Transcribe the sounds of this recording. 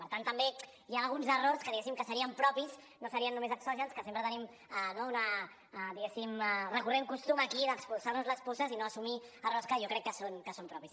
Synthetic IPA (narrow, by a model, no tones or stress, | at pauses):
pəɾt̪ant̪əmbe | jaːlˠɣunzəroɾskəðiɣɛsimkəsəɾiəmpɾɔpiz | nosəɾiənːumezəksɔʒənskəsempɾət̪ənim | anounə | d̪iɣesimrəkurɛmkust̪uməkiðəkspulˠsaɾnuzləsposəzinoəsumiərɔskəjokɾɛkːəsonkəsompɾɔpis